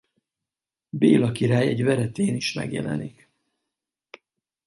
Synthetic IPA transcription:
beːlɒkiɾaːjɛɟvɛɾɛt̪eːniʃmɛ̰ɡjɛ̰lɛ̰nik

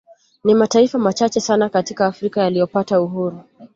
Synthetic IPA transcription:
nimataifamat͡ʃat͡ʃɛsanakatikaːfɾikajalijɔpatauɦuɾu

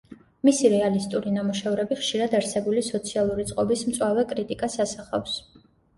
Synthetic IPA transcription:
misiɾɛalist̪ʼuɾinamuʃɛvɾɛbiχʃiɾad̪aɾsɛbulisɔt̪sʰialˠuɾit̪sʼqʼɔbismt̪sʼwavɛkʼɾit̪ʼikʼasasaχa̰fs

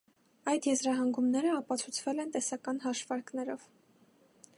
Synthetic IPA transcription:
ɑjd̪jɛzɾɑɦɑŋɡumnɛɾəɑpɑt͡sʰut͡sʰvɛlɛnt̪ɛsɑkɑn̪ɦɑʃvɑɾknɛɾɔv̥

